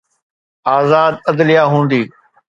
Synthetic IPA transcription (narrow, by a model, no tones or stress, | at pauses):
aːzaːd̪ɐd̪lɪjaːɦũːnd̪iː